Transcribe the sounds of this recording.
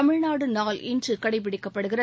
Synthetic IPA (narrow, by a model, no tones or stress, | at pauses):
ɐmɪɻnaːɽɯnaːlɪndrɯkɐɽɐɪpɪɽɪkːɐpːɐɽɯɣɪrɐ